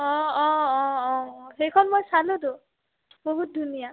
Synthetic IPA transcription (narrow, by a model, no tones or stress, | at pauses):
ɔ̃ɔ̃ɔ̃ɔɦejkʰɔnmojsalud̪o | boɦut̪̚d̪ʱunija